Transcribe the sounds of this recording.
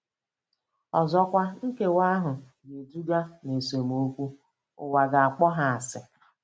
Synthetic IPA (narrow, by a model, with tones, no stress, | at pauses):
ɔ˨zɔ˦kʷa˦ŋ̩˦ke˦wa˦ɦʊ˨ | ɡe˨tu˦ɡa˦ne˨so˨m˨o˦kʷu˦ | ʊ̰˨wa˨ɡa˨a˨k͡pɔ˦ɦa˨a˨sɪ˨